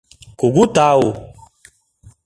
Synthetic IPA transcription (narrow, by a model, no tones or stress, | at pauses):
kuɡutawo